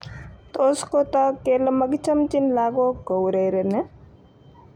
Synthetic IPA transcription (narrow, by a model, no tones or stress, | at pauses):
t̪oskot̪ɐkelməɡt͡ʃəmt͡ʃinlaːɡokowɾeɾene